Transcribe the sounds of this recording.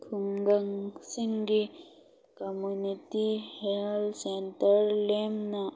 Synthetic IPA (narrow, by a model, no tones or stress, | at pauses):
kʰuŋɡɐŋsiŋɡi | kɐmunitihelsent̪əɾlemna